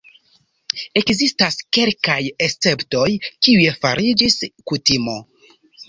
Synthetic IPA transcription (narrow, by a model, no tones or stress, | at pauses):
e̞kzistaske̞lkajest͡se̞pto̞jkiuje̞fa̰ɾʔid͡ʒiskutimo̞